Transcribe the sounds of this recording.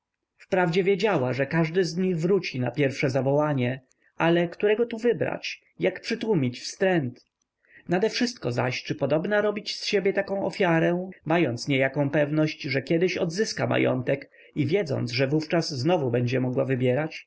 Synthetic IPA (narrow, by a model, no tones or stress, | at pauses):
fpɾavd͡ʑɛvʲjed͡ʑawaʐɛkaʐd̪ɘzɲiɣvɾut͡ɕinapʲjɛɾfʂɛzavɔwaɲɛ | alɛkt̪uɾɛɡɔt̪uvɘbɾa̰t͡ɕ | jakpʂɘt̪wumʲit͡ɕfst̪ɾɛnt̪ | nad̪ɛfʂɘst̪̚kɔza̰ɕt͡ʂɘpɔd̪ɔbnaɾɔbʲit͡ɕsɕebʲjɛt̪akɔ̃w̃ɔfʲjaɾɛmajɔnt̪sɲɛjakɔ̃w̃pɛvnɔɕt͡ɕʐɛkʲjɛd̪ɘɕɔd̪zɘskama̰jɔ̰nt̪ɛk | ivʲjɛd̪zɔ̰nt̪sʐɛvuft͡ʂasznɔvubɛɲd͡ʑɛmɔɡwavɘbʲjɛɾat͡ɕ